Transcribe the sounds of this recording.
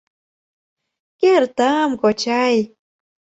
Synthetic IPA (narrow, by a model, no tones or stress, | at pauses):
keɾt̪amkot͡ɕaj